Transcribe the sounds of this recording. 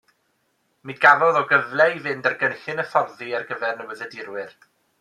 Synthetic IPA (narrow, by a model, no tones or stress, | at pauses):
midɡ̥aɾɔðɔɡəvlˠɛivɪndarɡənɬɪnəfɔrðiarɡəvɛrnəwəðədɪɾwɪr